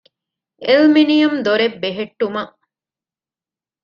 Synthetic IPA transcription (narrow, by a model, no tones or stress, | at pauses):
elminijɐmd̪oɾebːeɦeʈːumɐʔ